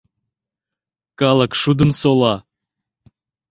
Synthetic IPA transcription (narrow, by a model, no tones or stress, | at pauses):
kɑləkʃud̪ə̆msolɑ